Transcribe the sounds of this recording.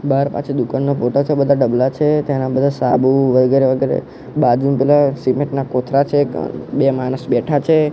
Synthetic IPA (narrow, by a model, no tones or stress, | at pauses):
baɾpa̰t͡ʃʰid̪ukanːopoʈot͡ʃʰebəd̪ʱaɖəblat͡ʃʰet̪enabəd̪ʱasabuʋəɡeɾeʋəɡɛɾḛ | bad͡ʒunpɛlasimeʈnakot̪ʰɾat͡ʃʰḛbemanəsbɛʈʰat͡ʃʰe